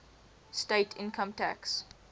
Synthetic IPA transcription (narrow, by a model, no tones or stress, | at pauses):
steɪtʰɪ̰̃nkʰə̃mtʰæ̰ks